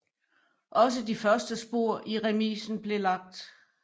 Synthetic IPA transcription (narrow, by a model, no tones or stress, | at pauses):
ʔɒ̽s̬əd̥ifɶɐsd̥əsb̥o̝ɐ̰ʔiʁɛmḭːsn̩b̥le̝lɑ̈ɡ̥̚d̥